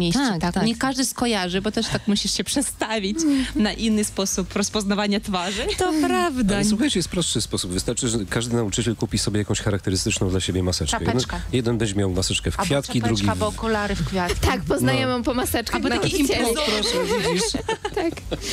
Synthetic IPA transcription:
mʲjet̪aɛt̪akɲɛkaʐd̪ɨskɔjaʐɨbɔt̪ɛʂt̪akmuɕiʂɕɛpʂɛt̪st̪avʲit͡ɕnaʔinːɘspɔsupɾɔspɔznavaɲat̪faʐɨt̪ɔpɾavd̪aswuxajt͡ɕɛjɛst̪pɾɔst̪ʂɨspɔsubvɨst̪aɾt͡ʂɘʐɛkaʐd̪ɘnaut͡ʂɘt͡ɕɛlkupʲisɔbʲɛjakɔ̃w̃ɕxaɾak̚t̪ɛɾɨst̪ɘt͡ʂnɔ̃d̪laɕebʲjɛmasɛt͡ʂaɛjɛd̪kajɛd̪ɛnbɛɲd͡ʑɛmjawmasɛt͡ʂkɛfkfʲjat̪kʲid̪ɾuɡʲibɔkulaɾɨfkfʲjat̪kʲt̪ak̚pɔznajɛmɔ̃pɔmasɛt͡ʂkaabɔt̪akʲeimpɾɔʂɛid͡ʑiʂt̪ak

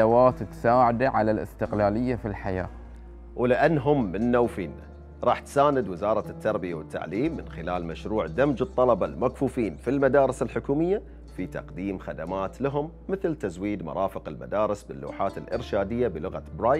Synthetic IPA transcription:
awaːt̪ɪt̪saːʕad̪aʕalalɪ̰st̪ɪqlaːlɪjːafilħajaː | wlɪʔanːɦʊmːɪnːawfiːnːa̰ | ɾˤɑːħt̪saːnɪd̪wɪzɑːɾˤɑt̪ːɑɾˤbɪjawɪt̪ːa̰ʕliːmːɪnxɪlaːlmaʃɾuːʕd̪amd͡ʒɨt̪ˤːɑlɑbɑlmakfuːfiːnfilmad̪aːɾɪsɪlħʊkuːmɪjːa | fit̪ɑ̰qd̪iːmxad̪amaːt̪laɦʊmːɪθlt̪azwiːd̪mɑ̰ɾˤʔɑːfɪqɪlma̰d̪aːɾɪsbɪlːṵːħaːt̪ɪlʔɪ̰ɾʃaːd̪ɪjːabɪlʊɣa̰bɾˤaː

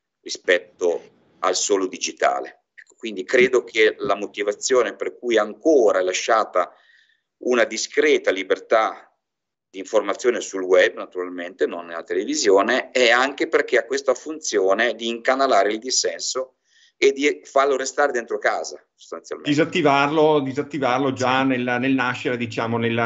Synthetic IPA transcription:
rispɛt̪ːo | a̰lsoːlod̪id͡ʒit̪a̰ːlḛ | ɛkːo̥kwind̪ikɾeːd̪ok̟ʰelamot̪ivat̪sːjoːneperkujaŋkoːɾaɛlaʃːaːt̪a | unad̪iskɾeːt̪alibert̪a | d̪̥iːɱformat̪sːjoːnesulwɛbːnat̪uɾalment̪enonːelat̪elevizjoːneɛaŋkeperk̟eakːwest̪afunt̪sjoːned̪iːŋkanalaːɾeild̪isːɛnso | ed̪ifarloɾest̪aːɾed̪ent̪ɾokaːza̰so̥st̪ant̪sja̰lmed̪izat̪ːivarlod̪izat̪ːivarlod͡ʒanelnelnaʃːeɾed̪it͡ʃaːmonel

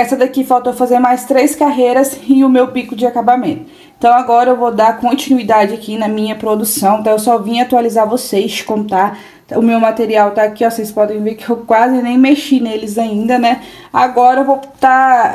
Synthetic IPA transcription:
ɛsɐd̪akifawt̪owfazeɾmajst̪ɾejskaɦeɾɐsɪʊmewpikʊd͡ʒɪakabamẽnt̪ʊʊ | ẽt̪ɐ̃w̃aɡɔɾɐewvod̪akõnt͡ʃinuid̪ad͡ʒɪakinɐmĩɲɐpɾod̪usɐ̃w̪̃t̪ɐ̃ewsɔvĩat̪ualizaɾvosejskõnt̪a | ʊmewmat̪eɾiawt̪aːkiɔsejspɔd̪ẽj̃veɾkɪewkwazɪnẽj̃meʃinelɪzaĩnd̪ɐnɛaɡɔɾɐewvowt̪a

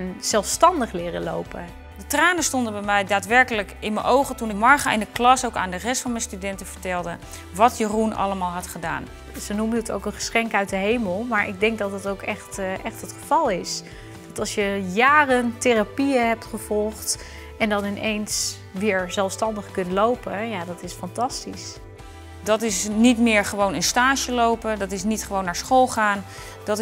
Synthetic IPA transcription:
nz̥ɛlˠfstɑndəχlɪːrə̰lo̰wpə | dətraːnəstɔndəbɛjmɛjdaːtʋɛɹkələkɪnmənʔowχətunɪmɑɹχəʔɪndəklɑsowka̰ːndərɛstfɑnmɛjstydɛntəv̥əɹtɛlˠdə | ʋɑtjərunɑ̰ləmaːlˠɦɑtχəda̰ːn | sənuməəto̰wkənχə̥sχɛŋkœɥt̚dəɦejməlˠmaːɹʔɪɡ̚dɛŋk̚dɑtətowkɛχtʔɛχtɦətχəv̥ɑlˠɪs | d̥ɑtɑlˠsjəjaːrəntɪrapiəɦɛp̚tχəv̥ɔlˠχt | ɛndɑnɪnʔejns | ʋɪːɹzɛlˠfstɑndəχkɵntlowpəjaːdɑtɪsfɑntɑstis | dɑtɪsnitmɪːɹχəʋownənstaːʃəlowpədɑtɪs̬nitχəʋownːaːɹsχolˠχaːn | d̥ɑt

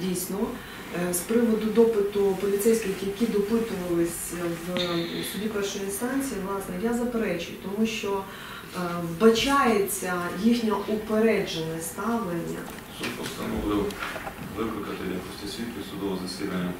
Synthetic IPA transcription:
dʲijsʲnɔ | spɾɪʋɔd̪ʊd̪ɔpɪt̪ʊpɔlʲit̪sɛjsʲkʲjɐkʲid̪ɔpɪt̪ʊʋɐlˠɪsʲʋsʊbʲipɛrʃʊjinst̪ɑnʲt͡sʲijiʋlˠɑsnɛjazɐpeɾɛt͡ʃʊjʊt̪ɔmuʃt͡ʃɔ | bɐt͡ʃɑjet͡sʲːɐjixnʲɐʔɔpeɾɛd͡ʒenɛst̪ɑʋlˠenʲːɐ̰ | sud̪pɔst̪ɐnɔʋˠɪw | ʋɪplˠɪkɐt̪ɪjɐ̰kɔsʲtʲɐsʲʋʲit̪kʲɪsʊd̪ɔʋɔzɐsʲḭd̪ɐnʲːɐ

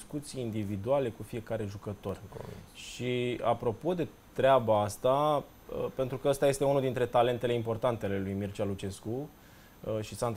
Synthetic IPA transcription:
skut̪sijːnd̪ivid̪uale̞kufije̞kaɾe̞ʒukət̪o̞r̰ʃiapɾo̞po̞d̪e̞ | t̪ɾeabaast̪a | əpe̞nt̪ɾukəəst̪aje̞st̪e̞unud̪int̪ɾe̞t̪ale̞nt̪e̞le̞impo̞rt̪ant̪eale̞lujmirt͡ʃalut͡ʃe̞sku | ʃisant̪

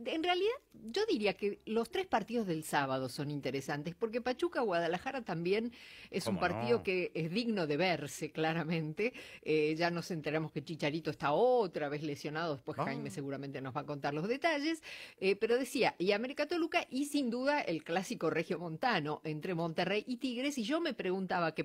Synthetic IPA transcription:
enrealiðaðʒo̞ðiɾiakelo̞st̪ɾespaɾt̪iðo̞zðe̞lsaβað̞oso̞nint̪eɾesant̪espo̞ɾk̬epat͡ʃukaɣwaðalaxaɾat̪ambje̞nesumpaɾt̪iðo̞keezðiɣno̞ðe̞βeɾseklaɾamẽ̞nt̪eeʒano̞se̞nt̪eɾamosket͡ʃit͡ʃaɾit̪oest̪aot̪ɾaβe̞zlesjo̞nað̞o̞ðespwe̞sxajmese̞ɣuɾament̪enozβako̞nt̪aɾlo̞zðe̞t̪aʒesepe̞ɾo̞ðe̞siaʔiameɾikat̪olukaʔisind̪uðaʔelklasiko̞rexjo̞mõ̞nt̪ano̞ʔe̞nt̪ɾemo̞nt̪erejʔit̪iɣɾesiʒo̞me̞pɾeɣunt̪aβake

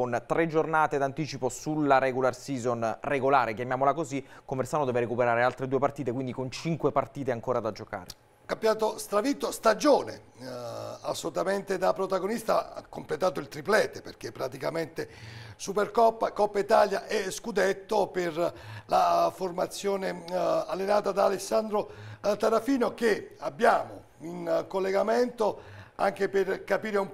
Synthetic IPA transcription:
ont̪ɾed͡ʒːornaːt̪ed̪ant̪iːt͡ʃiposulːaɾɛɡularsiːzonreɡolaːɾekjamjaːmolakozikːomesaːnod̪ɛːveɾekupeɾaːɾealt̪ɾed̪uepart̪iːt̪ekwind̪ikont͡ʃiŋkwepart̪iːt̪eaŋkoːɾad̪ad͡ʒoka̰ːɾe | kambjaːt̪ost̪ɾavit̪ːost̪ad͡ʒoːnḛ | asːolut̪ament̪ed̪apɾot̪aɡonist̪akːomplet̪aːt̪oilt̪ɾiplɛːt̪eperk̟epːɾat̪ikament̪esuperkɔpːakɔpːait̪aljaʔɛskud̪et̪ːoperlaformat̪sːjoːnealːenaːt̪ad̪aːlesːand̪ɾot̪aɾafiːnok̟eabːjaːmo̰ | inkolːeɡament̪oa̰ŋk̟eperkapiːɾeum

